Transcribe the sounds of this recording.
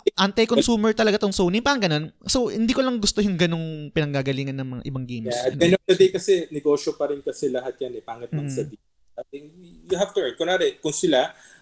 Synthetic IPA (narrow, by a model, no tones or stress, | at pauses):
ʔant̪ɐjkosuːmɛɹt̪ɐlɐɡat̪oŋsownɪŋpaːɾɐŋɡɐno̞nsowhɪnd̪iːkolɐŋɡʊst̪ojʊŋɡɐno̞ŋpɪnɐŋɡaːɡɐliːŋɐnːɐŋmɐŋa̰ʔɪbɐŋɡejmsɐɛnɐvd̪ɐd̪ejkɐsɛnɛɡo̞ːʃopɐɾɪnkɐsɛlɐɦat̪̚janɛpaːŋɐt̪mɐɡsɐbi | ɐt̪ɪŋjʊɦavt̪ʊlɛ˞n̚konaːɾɛkʊŋsɪla